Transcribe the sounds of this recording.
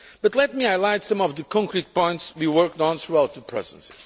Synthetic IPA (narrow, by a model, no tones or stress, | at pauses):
b̥ʌt̪lɛt̪̚miaɪlaɪtsʌ̃mɔvðɨkʰɔ̃ŋkɹit̚pɔ̃j̃ntswiwɜ˞k̚tɔ̃nθɹuaʊt̪̚ðəpʰɹɛ̰zə̰̃nsi